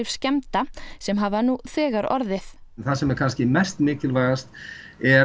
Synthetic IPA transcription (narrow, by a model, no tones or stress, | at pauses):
ɪfscɛmt̪asɛmɦaːvanuθɛːɣaɾɔ̰ɾðɪθnθasɛmɛɾkʰanscɪmɛst̪mɪːcɪlvajɣast̪ | ɛ